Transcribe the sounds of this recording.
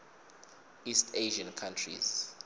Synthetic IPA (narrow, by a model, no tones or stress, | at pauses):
istʰeʒankʰantʰrḭz